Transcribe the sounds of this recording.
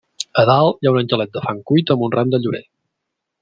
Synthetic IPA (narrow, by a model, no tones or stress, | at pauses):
əðalˠjaunənʲʒəlɛt̪̚d̪əfaŋkujt̪əmunramd̪əʎuɾḛ